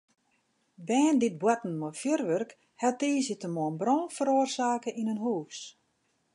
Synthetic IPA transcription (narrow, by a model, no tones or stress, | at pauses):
bɛːndɪt̚bwɔtn̩mɔfjørʋørk | hɛtiːsətəmɔənbrɔ̃ːfəɾoːərsaːkəʔinənɦuːs